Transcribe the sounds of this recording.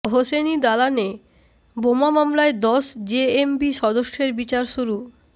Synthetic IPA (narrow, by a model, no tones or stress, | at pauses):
ɦosenid̪alane | bomamamlaed̪ɔʃd͡ʑeembiʃɔd̪oʃeɾbit͡ɕaɾʃuɾu